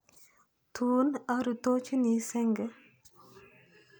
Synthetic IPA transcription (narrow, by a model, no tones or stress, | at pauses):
t̪ʰuːnaɾut̪oːt͡ʃunisɛŋɡə